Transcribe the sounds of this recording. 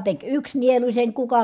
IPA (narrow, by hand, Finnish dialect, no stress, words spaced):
tek yks nielusʲen kukɑ